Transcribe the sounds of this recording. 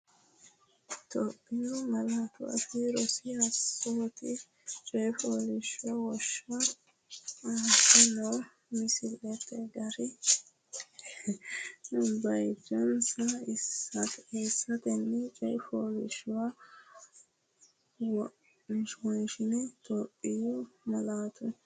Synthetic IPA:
t̪ʰɔpʼːɪnʊmɐlat̪ʊwa̰fɪɾɔsɪɐpoːt̪ɪ | t͡ʃʼɛjfoːlɪʃʊwɐwɔʃa | aːsɐnɔ | mɪsɪlɛt̪ɛɡɐɾɪ | bɐjd͡ʒɔnsɐɪsːɐteːsːɐt̪ɛnːɛt͡ʃʼɛjfoːlɪ̰ʃʊwa | w | ʃwɔjʃɪnɛt̪ɔpʼːɪjɔmɐlaːt̪ʊ

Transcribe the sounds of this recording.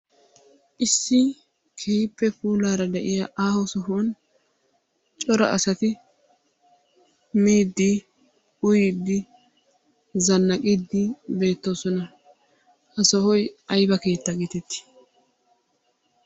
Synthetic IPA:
ʔɪsːɪ | kʰɛpːɛpuːlaːɾɐd̪ɛʔɪjaːʔaːhɔsɔɦon | t͡ʃʼɔɾɐ̰ʔɐsɐt̪ɪ | miːd̪ːɪ | ʊjɪd̪ːɪ | zɐnːɐkʼɪd̪ːɪbe̞ːt̪ːoːsɔnɐ | hɐsɔhɔjɐjbɐke̞ːt̪ːɐɡit̪ɛt̪ːɪ̥

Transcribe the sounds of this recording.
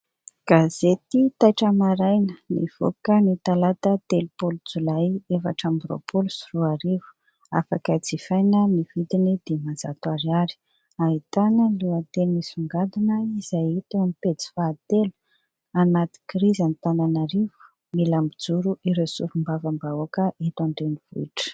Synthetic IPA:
ɡ̥azet̪it̪ajʈ͡ʂəmaɾajnənḭv̥o̰kənit̪alat̪ət̪elupulud͡zulajefa̰ʈ͡ʂambɾo̰pʰulusuruaɾivu̥ | a̰fakəd͡zifajnəmivid̪inid̪̥emaza̰t̪uaɾiaɾi̥ | aɦit̪anəluat̪elmisuŋɡad̪inəizajt̪emipet͡si̥faːt̪elu̥ | anat̪i̥kɾizanit̪ananaɾivu̥ | milambid͡zuɾuʔiɾesṵɾumbavambaokəʔet̪aɳɖ͡ʐenivṵiʈ͡ʂə̥

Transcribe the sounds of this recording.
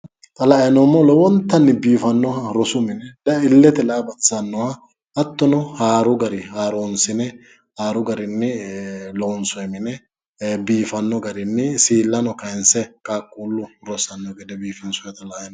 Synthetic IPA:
t̪ʼɐlɐʔjɐnɔmːɔlɔwɔnt̪ːɐnːɪbiːfɐnːɔhɐɾɔsʊmɪnɛd̪ɐɪlːɛt̪ɛlɐbɐt͡sːɐnːɔhɐː | t̪ːɔnʊhaːɾʊɡɐɾɪhaːɾoːnsɪnɛ | haːɾʊɡɐɾɪnːɛloːnsɔjmɪnɛ | biːfɐnːɔɡɐɾɪnːɪsiːlːɐnɔkɐjnsɛkʼaːkʼːuːlːʊɾɔsɐnːɔɡɛd̪ɛbiːfɪnsʊjɛt̪ʼɐlɐʔɐjɐn

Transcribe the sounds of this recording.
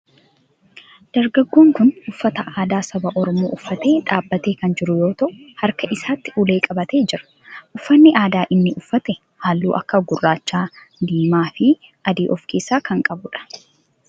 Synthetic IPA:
d̪̥ɐɾɡɐɡːo̞ːŋkʊnʊfːɐt̪ɐʔaːd̪aːsɐbɐʔɔɾɔmoːʔʊfːɐt̪e̞ːᶑaːbːɐt̪eːkɐnd͡ʒɪɾʊjo̞ːt̪ɐʔʊhɐɾkɐʔɪsaːt̪ːɪʔule̞ːkʼɐbɐt̪e̞ːd͡ʒɪɾɐ̥ | ʔʊfːɐnːɪʔaːd̪aːʔɪnːɪʊfːɐt̪ɛ | haːlːuːʔɐ̰kːɐɡʊrːaːt͡ʃːaː | d̪iːmaːfɪʔɐd̪iːʔɔfke̞ːsːaːkɐŋkʼɐbʊᶑɐ̥

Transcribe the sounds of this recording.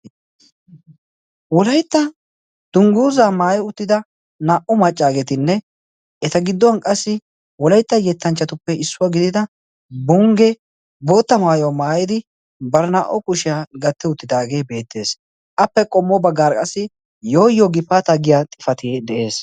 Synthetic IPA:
wɔlɐjt̪ːɐ | d̪̥ʊŋɡuːzaːmaːjɛʊt̪ːɪd̪ɐ | naːʔɔmɐt͡ʃʼːaːɡɛt̪ɪnːɛ | ɛt̪ɐɡɪd̪ːɔwɐnkʼɐsːɪ | wɔlɐjt̪ːɐjɛt̪ːɐnt͡ʃːɐt̪ʊpːɛɪsːʊwaɡɪd̪ɪd̪ɐ | bʊŋɡɛ | bo̞ːt̪ːɐmaːjɔwmaːjɪd̪ɪ | bɐɾnaːʔɔkʊʃɪjaːɡɐt̪ːɛʊt̪ːɪd̪aːɡe̞ːbe̞ːt̪ːe̞ːs | ʔɐpːɛkʼɔmːɔbɐɡaːɾkʼɐsɪ | joːjːɔɡɪpːat̪ɐɡɪjat̪ʼɪ̥fɐt̪id̪ɛʔe̞ːs

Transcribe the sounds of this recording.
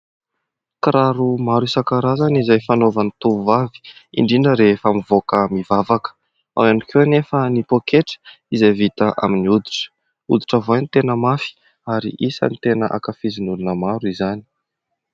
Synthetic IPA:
kɾaɾumaɾuisakaɾazanizajfanovanit̪uvavi̥ḭɳɖ͡ʐinəɾefamivokəmivavakə̥ | a̰wanikʰewanefənipokeʈ͡ʂə̥ | izajvit̪əʔa̰miniud̪i̥ʈ͡ʂə̥ | ṵd̪i̥ʈ͡ʂəvajnt̪enəmafi̥ | aɾḭʔisə̰nit̪enəʔa̰kafizinulunəmaɾizani̥

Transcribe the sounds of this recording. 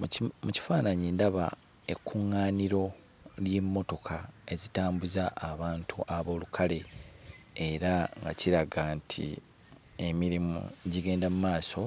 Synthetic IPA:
muci̥faːnaɲiːndaβa̰ | e̞kʰːuŋːaːniɾo̞ | ljemːo̞to̞kʰae̞zitaːmbuzaʔːβaːntʰuʔaβo̞ːlukʰale̞ː | ɾaŋɡa̰ciɾaɡantʰḭ | e̞miɾimṵɟiɡe̞ːndamumaːso̞

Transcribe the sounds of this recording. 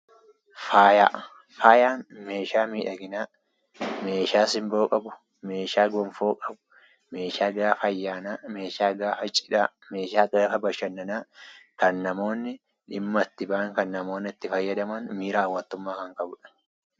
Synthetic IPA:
faːjaː | faːjaːnme̞ːʃaːmiːᶑɐɡɪnaː | me̞ːʃaːsɪmboːkʼɐbʊ̥ | me̞ːʃaːɡɔmfoːkʼɐbʊ̥ | me̞ːʃaːɡaːfɐjːaːnaːme̞ːʃaːɡaːfɐt͡ʃʼɪᶑaː | meːʃaːkʼeːfɐbɐʃɐnːɐnaːkɐnːɐmo̞ːnːɪ | ᶑɪmːɐt̪ːɪbaːŋkɐnːɐmo̞ːnːɪɪt̪ːɪfɐjːɐd̪ɐmɐnmiːɾaɐwːɐnt̪ːʊmːaːkɐŋkʼɐbʊᶑɐ̥

